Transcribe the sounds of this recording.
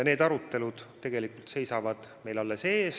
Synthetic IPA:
ne̞ːd̪̥ɑɾut̪ːˑe̞lud̪̥t̪ːe̞ɡ̥e̞likult̪se̞jsɑvɑd̪̥ | me̞jlɑlːese̞ːs

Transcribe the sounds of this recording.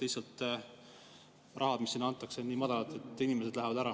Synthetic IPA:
t̪ejsɑlt̪ˑ | rʔɑɦɑd̪misːiːnːɑɑnt̪ːˑɑkse̞niːmɑd̪̥ɑlɑt̪e̞t̪ˑːinimese̞d̪læɦevɑd̪æɾɑ

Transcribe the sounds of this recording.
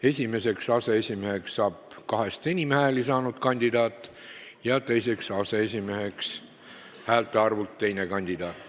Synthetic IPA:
e̞sʲime̞se̞ksɑse̞esʲimehe̞ksːɑːb̥kɑɦe̞st̪enʲimehelisɑːnud̪̥kɑnʲd̪̥id̪ɑːt̪ːˑ | jɑt̪e̞jse̞ksɑse̞esʲimehe̞ks | hæːlt̪ːˑeɑrvult̪ːe̞jnekɑnʲd̪id̪̥ɑːt̪ːˑ

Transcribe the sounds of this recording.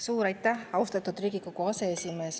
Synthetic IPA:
suːɾɑjt̪ːæhɑust̪ɑt̪ːud̪riːɡikːokuɑse̞esime̞ːs

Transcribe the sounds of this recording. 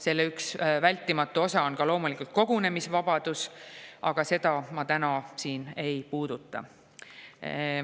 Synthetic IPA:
se̞lːeyksvælʲt̪ːˑimɑt̪ːˑuo̞sɑo̞nkɑlo̞ːmulikult̪̚ko̞ɡ̥une̞misvɑb̥ɑd̪̥usʔɑɡ̥ɑse̞d̪ɑmɑt̪ænɑsiːne̞jpuːd̪̥ut̪ːˑɑ̰

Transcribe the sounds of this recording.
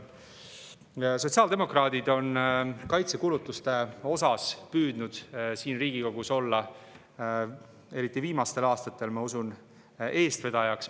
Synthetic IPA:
so̞t̪siɑːld̪̥e̞mo̞krɑːd̪̥id̪̥o̞nkɑjt̪se̞kuːlut̪ːˑust̪e̞o̞sɑspyːd̪̥nud̪̥siːnriːɡ̥iko̞ɡ̥uso̞lːɑ | e̞ɾit̪ːˑiviːmɑst̪e̞lɑːst̪ɑt̪ːˑe̞lmɑusun | ʔe̞ːst̪ve̞d̪̥ɑjɑks

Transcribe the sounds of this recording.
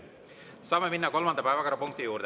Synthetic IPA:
sɑːmeminːɑko̞lmɑnd̪ɑpæːvɑkoɾɑpuŋk̚t̪ijuːɾd̪

